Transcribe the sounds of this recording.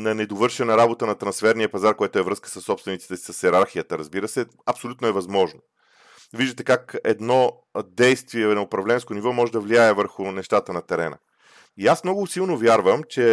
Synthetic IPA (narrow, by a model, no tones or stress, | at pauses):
nɐnɛd̪ovɤɾʃɛnəɾabot̪ənɐt̪ɾɐnsfɛɾniəpɐzaɾkojɛt̪ʊɛvɾɤskə̥səsːɔpst̪vɛnit̪si̥t̪ɛsi̥səsɛɾaɾxiət̪əɾɐzbiɾəsɛ | ɐpsolʲut̪noɛvɐzmɔʒno | viʒd̪ət̪ɛkakɛ̰d̪nɔ | d̪ɛjst̪viɛnɐʊpɾɐvlɛnskonivɔmɔʒɛd̪ɐvliaɛvəɾxʊnɛʃt̪at̪ənɐt̪ɛɾɛnə̰ | iasmnɔɡʊsilˠnovjaɾvəmt͡ʃɛ